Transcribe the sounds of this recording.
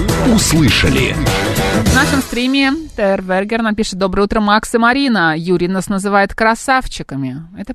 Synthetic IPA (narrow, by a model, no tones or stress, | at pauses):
ʊslˠɨʂə̰lʲɪ̰ | vnaʂəmst̪ɾʲimʲɪt̪ɛrvʲɛrɡʲɪrnapʲiʂɨt̪̚d̪o̞bɾəjəut̪ɾəmaksɨmɐɾʲinəjuɾʲɪjnasnəzɨvajɪt̪kɾɐsaft͡ɕɪkəmʲɪɛt̪ə